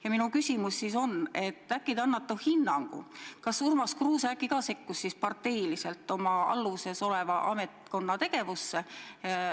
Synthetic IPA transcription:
jɑminukysʲimusːiso̞ne̞t̪ːˑækːˑid̪ɑnːɑt̪ːˑuhinːɑŋɡ̥ṵkɑsurmɑskruːsækːˑikɑːse̞kːusːispɑrt̪ːe̞jlise̞lt̪ːˑo̞mɑɑ̰lːuse̞so̞le̞vɑʔɑ̰me̞t̪ko̞nːɑt̪e̞ɡ̥e̞vusːe̞

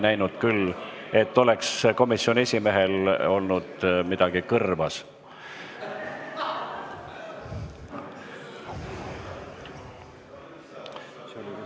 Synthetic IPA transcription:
næjnud̪̥kyle̞t̪ːo̞le̞ksko̞misːonʲie̞sʲime̞ɦe̞lo̞lnud̪̥mid̪̥ɑɡ̥ikɤrvɑs

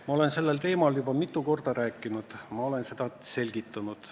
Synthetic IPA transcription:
mmɑo̞le̞nse̞lːelt̪e̞ːmɑljubɑmit̪ːˑuko̞rd̪̥ɑɾæːkːˑinud̪̥mɑo̞le̞nse̞d̪ɑse̞lʲɡ̥it̪ːˑunud̪̥

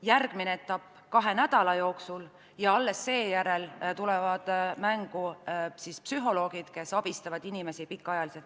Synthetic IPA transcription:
jærɡ̥mineet̪ːˑɑpː | kɑɦe̞næd̪̥ɑlɑjo̞ːksul | jɑɑlːe̞sːe̞ːjæɾe̞lt̪ulevɑd̪̥mæŋɡ̥usispsyɦo̞lo̞ːɡ̥id̪̥ke̞sɑb̥ist̪ɑvɑd̪̥inime̞sipikːˑɑjɑliset̪

